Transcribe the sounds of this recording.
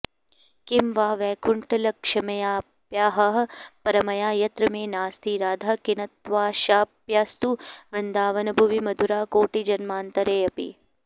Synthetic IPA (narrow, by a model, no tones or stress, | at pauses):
kɪmʋaːʋɛːkʰʊɳʈɐlɐkʂɐmɐjaː | pjaːɦɐɦɐpɐɾɐmɐjaːjɐt̪ɾɐmeːnaːst̪ʰiːɾaːd̪ʱɐkɪnɐt̪ʋaːʃaːpjaːst̪uʋɾɪnd̪aːʋɐnɐbʱuʋimɐd̪ʱuɾaːkoːʈid͡ʒɐnmaːnt̪ɐɾeːɐpḭ